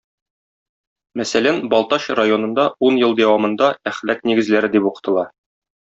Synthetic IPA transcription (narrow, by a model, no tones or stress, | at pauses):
mæsælænbɒlˠt̪ɑɕrajo̞nɤ̆nd̪ɑunjɤlˠd̪æwɑmɤ̆nd̪ɑæχlækniɡɘ̆zlæɾɘd̪ipuqɤ̥̆t̪ɤ̆lˠɑ